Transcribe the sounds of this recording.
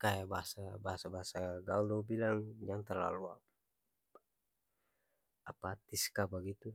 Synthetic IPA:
kajabaɦasabaɦasabaɦasaɡald̪obilaŋd͡ʒaŋt̪ərla̰lua | apat̪iskabaɡit̪u

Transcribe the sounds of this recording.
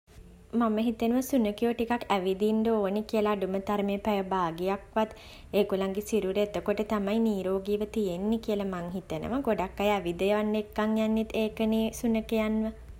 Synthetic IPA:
maməɦit̪enəʋəsunəkioʈikakæʋid̪ind̪əoːnekiəlaːɖumət̪aɾmeːpæjəbaːɡijakʋat̪ | eːkulaŋɡesiɾuɾet̪əkoʈət̪amajniːɾoːɡiːʋət̪ijenːikiəlamaŋɦit̪enə̰ʋəɡoɖakːajæʋid̪ejəʋanːekːaŋjanːit̪ʰːeːkəneːsunəkejanʋə

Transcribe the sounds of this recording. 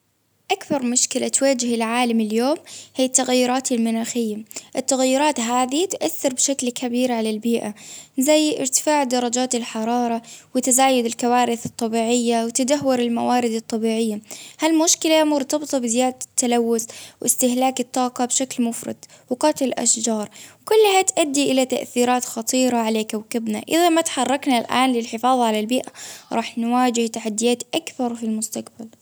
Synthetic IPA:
ʔakbɑɾˤmʊʃkɪlat̪waːd͡ʒɪhɪlʕaːlamɪljoːmhijːt̪ːaɣjʊɾˤɑːt̪ɪlmʊnaːxɪjːaʔɪt̪ːaɣjɪɾˤɑːt̪ɦaːðit̪ʔaθːɑɾˤbʃaklkʰabiːɾʕalalbiːʔazajːʔɪ̰ɾt̪ɪ̥faːʕd̪ɑɾˤɑd͡ʒaːt̪ɪlħɑɾˤɑːɾˤɑwɪt̪ɪzaːjʊd̪ɪlkawaːɾɪθɨt̪ˤːɑbiːʕɪjːawɪt̪ad̪aɦːʊɾɪlma̰waːɾɪd̪ɨt̪ˤːɑbiːʕɪjːahalmʊʃkɪlamʊɾt̪ɑbt̪ˤɑbɪzɪjaːd̪at̪ːalawːʊθwʔɪst̪ɪhlaːkɪt̪ˤːɑːqɑbʃaklmʊfɾˤɑ̰d̪̥ | wɪqɑːt̪ˤlʔa̰ʃd͡ʒɑːɾˤwkʊlːhat̪ʔad̪ːiʔɪlat̪a̰ʔθiːɾaːt̪xɑt̪ˤiːɾˤɑʕaleːkawkɪbnaʔɪðamat̪ħɑrˤːɑknalʔa̰ːnlɪlħɪfɑːðˤɑʕalalbiːʔaɾˤɑ̰ːħnwaːd͡ʒɪht̪aħad̪ːɪjaːt̪ʔakθɑɾˤfilmʊst̪aqbal

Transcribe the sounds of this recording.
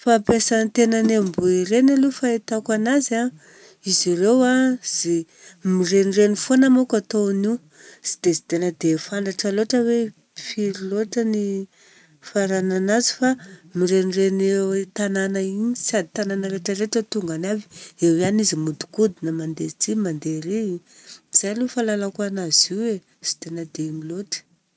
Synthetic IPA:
fapesant̪enənembuiɾenalufaet̪akanaza | izirewaz̥i | mirenirenifonamokat̪oni | z̥i̥d̪̥ezi̥t̪enəd̪efant̪aʈ͡ʂəloʈ͡ʂəwe | fiɾiloʈ͡ʂəni | faɾananazi̥famiɾenirenewet̪ananaiɲisad̪i̥t̪ananəɾeʈ͡ʂəɾeʈ͡ʂət̪uŋɡanavi̥ewanizimud̪u̥kud̪inəmand̪ezit͡simand̪eɾei | z̥ajlufalalakuanaziwe | z̥i̥t̪enəd̪emiloʈ͡ʂə̥

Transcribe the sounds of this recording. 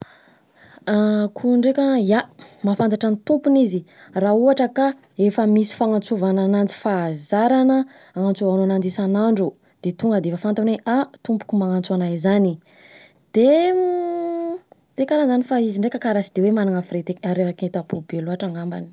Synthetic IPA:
akʰuɳɖ͡ʐekʲəjamafant̪aʈ͡ʂanit̪umpunizirauɦaʈ͡ʂəka | efəmisi̥faŋant͡suvananant͡si̥fazaɾanə | aŋant͡suvananand̪isanaɳɖ͡ʐu | d̪̥et̪uŋɡəd̪eefəfant̪aneʔat̪umpu̥kʲumaŋant͡suanajzani | d̪̥e | t̪ekaɾanzanifaiziɳɖ͡ʐekəkaɾasid̪ewemanaŋafɾet̪eaɾeaket̪apubeluaʈ͡ʂaŋamba̰ni̥

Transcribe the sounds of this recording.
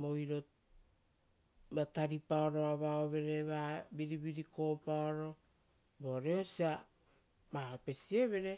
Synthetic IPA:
mojɾo̞ | bataɾipaoɾo̞aβaoβe̞ɾe̞βabiɾibiɾiko̞paoɾo̞ | boɾeosia | mahope̞sieβe̞ɾe̞

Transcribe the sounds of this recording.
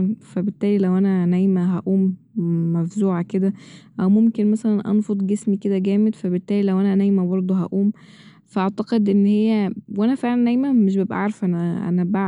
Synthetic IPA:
fæbet̪ːæːlilæwʔænænæjmæɦæʔuːmː | æfzuːʕaked̪æʔæwmomkenmæsælænʔɑ̰nfod̪ˤɡesmiked̪æɡæːmed̪fæbet̪ːæːlilæwʔænænæjmæbɑɾˤd̪ˤoɦæ̰ʔuːm | fæʔɑʕt̪ɑqed̪ʔenːhejːæwʔænæfeʕlænːæjmæmeʃ̬bebʔæ̰ʕɑɾˤefʔænæʔæ̰næbaʕ

